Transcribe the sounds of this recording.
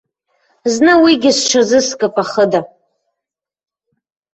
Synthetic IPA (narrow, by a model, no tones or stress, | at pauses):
znɨwiɡʲɪzʈ͡ʂʷʰazɨskʼɨpʼaχəda